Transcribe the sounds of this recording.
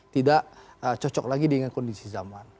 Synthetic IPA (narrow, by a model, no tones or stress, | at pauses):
t̪idaʔ | ət͡ʃɔt͡ʃɔk̚laɡidəŋankɔndisizaman